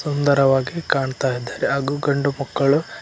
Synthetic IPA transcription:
sund̪ɐɾɐʋaːɡikaːɳt̪aːjid̪ːaːɾeaːɡuɡɐɳɖumɐkːɐɭu

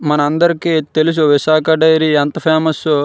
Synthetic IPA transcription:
mɐnɐɐnd̪ɐɾikːet̪elis̬uʋiʃaːkɐɖɐjɾiɐnt̪ɐpʰaːmɐsu

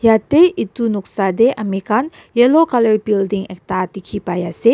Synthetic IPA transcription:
jat̪eʔit̪unuk̚sadeʔamekan | jɛlokaləɹibildiŋɛk̚t̪at̪ikʰipajase

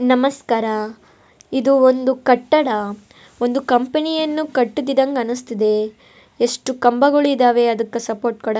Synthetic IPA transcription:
nɐmɐskaːɾɐ | id̪uond̪ukɐʈːɐɽɐ | o̞nd̪ukɐmpenijɐnːukɐʈːud̪id̪ɐŋɡɐnust̪id̪e̞ | eʂʈukɐmbɐɡoɭːd̪aːʋe̞ɐd̪ɐkːɐsɐpoːɾʈ̚kɐɽɐ

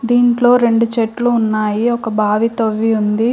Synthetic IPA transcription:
d̪iːɳʈlo̞ːɾe̞ɳɖut͡ʃeʈluːnːaːjiɔkɐbʱaːʋit̪oʋːiund̪i

